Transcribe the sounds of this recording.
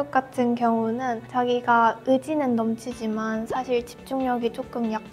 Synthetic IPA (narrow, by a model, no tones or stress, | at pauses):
ʌk̚k͈atʰɯnkjʌŋunɯnt͡ɕaɡiɡaɯd͡ʑinɯnːʌmt͡ɕʰid͡ʑimansʰaɕʰiɭt͡ɕi̥p̚t͡ɕ͈uŋɲʌɡit͡ɕ͈ok͈ɯmjak͈